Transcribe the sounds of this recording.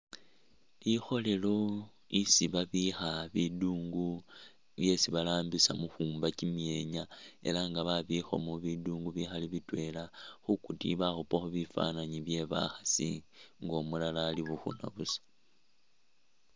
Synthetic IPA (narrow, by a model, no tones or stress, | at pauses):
lixo̞le̞lo̞ | isiβaβixaβiduːŋɡu | βje̞siβalaːmbisamuxuːmbacimje̞ɲae̞̰laŋɡaβaβixo̞̰moβiduːŋɡuβixaliβitwe̞laxukutḭβaxupaxuβifa̰naɲiβje̞βa̰xasḭŋɡo̞mulalaːliβuxṵna̰βusḁ